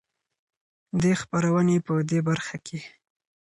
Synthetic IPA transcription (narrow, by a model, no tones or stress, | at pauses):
d̪expaɾawənepəd̪ebaɾxakʰe